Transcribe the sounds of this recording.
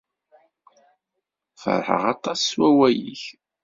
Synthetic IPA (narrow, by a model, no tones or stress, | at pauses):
fə̰ɾˤħə̰ʁɑt̪ˤɑsːwæwæjiç